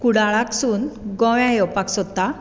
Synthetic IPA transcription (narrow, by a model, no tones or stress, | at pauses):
kuɽaɭaksuːnɡɔ̃wjãjɔpaksɔt̪ːa